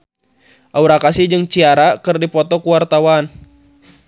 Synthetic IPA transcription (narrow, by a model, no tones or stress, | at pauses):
ʔauɾakasid͡ʒɨŋt͡ʃiaɾakɨrdipɔt̪ɔkuwart̪awan